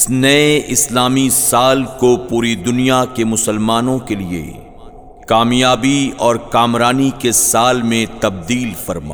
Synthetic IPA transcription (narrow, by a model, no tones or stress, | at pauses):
ɪsnɐeɪslaːmisaːlkopuːɾid̪ʊnijakemʊsəlmaːnõkeliḛ | kaːmjaːbiɔːɾkaːmɾaːnikesaːlmẽt̪ɐb̚d̪iːlfɐɾma̰ː